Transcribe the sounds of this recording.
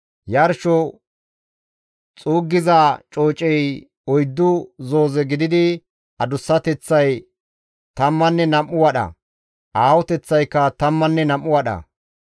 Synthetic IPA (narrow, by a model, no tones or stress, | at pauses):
jɐɾʃɔ | t͡sʼuːɡːɪzat͡ʃʼoːt͡ʃʼɛj | ɔjd̪ːʊzo̞ːzɛɡɪd̪ɪd̪ɪ | ʔɐd̪ʊsːɐt̪ɛt͡sːɐj | t̪ɐmːɐnːɛnɐmːʊwɐɗɐ̰ | ʔaːwɔt̪ɛt͡sːɐjkːɐt̪ɐmːɐnːɛnɐmːʊwɐɗɐ̰